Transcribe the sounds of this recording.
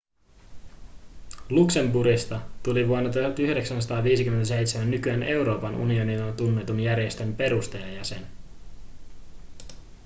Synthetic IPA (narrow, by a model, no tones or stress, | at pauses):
lukse̞mbuɾist̪ɑt̪uliʋuonːɑt̪uhɑt̪yhde̞ksænsɑ̥t̪ɑːʋiːsik̟ymːent̪æse̞jt̪semænːykyenʔe̞uɾo̞ːpɑnʔṵnio̞nilot̪unːe̞t̪unjæɾje̞st̪e̞mpe̞ɾust̪ejɑjæse̞n